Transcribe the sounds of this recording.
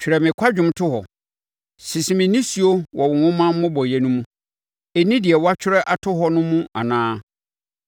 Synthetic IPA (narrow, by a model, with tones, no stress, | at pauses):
t͡ɕʰᶣɪ˨ɾɛ˨mɪ̃˨kʷʰa˦d͡ʑᶣʊ̃˦mtʰʊ˦hɔ˨ | sɪ˨sɪ˨mɪ̃˨nĩ˦si˨o˦wɔ˨wʊ̃˨wʊ̃˦mã˦mʊ̃˦bɔ˨jɛ˨nũ˦mũ˦ | e˨nĩ˦dɪ˨ɛ˨wa˦t͡ɕʰᶣɪ˦ɾɛ˦ʔa˨tʰʊ˦ɦɔ˦nʊ̃˦mũ˦a̰˨nãː˦